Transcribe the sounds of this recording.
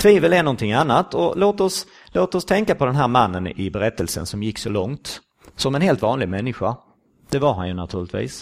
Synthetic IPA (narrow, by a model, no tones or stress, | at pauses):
t̪ʰviːvəlɛnɔnt̪ʰɪŋːanːat̪ɔloːt̪ɔs | loːt̪ɔst̪ʰɛŋkapʰɔd̪ɛnɦæːɾmanːənɪ̰bɛɾɛt̪ːəlsə̰nsɔmjɪkːsɔlɔŋt̪ | sɔmɛnɦeːlt̪vɑːnlɪɡ̚mɛnːɪɧa | d̪̥ɛvaɾɦanjɵnat̪ʰʉ̟ːɾɭɪt̪vḭːs